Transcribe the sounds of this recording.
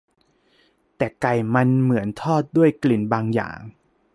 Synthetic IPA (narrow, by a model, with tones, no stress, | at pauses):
t̪ɛː˨˩ka˨˩jma˧nmɯ˩˦ənt̪ʰɔː˥˩t̪̚du˥˩əjkli˨˩nbaː˧ŋja̰ː˨˩ŋ